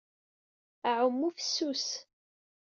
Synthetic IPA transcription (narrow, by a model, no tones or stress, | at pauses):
æʕʊmːufəsːus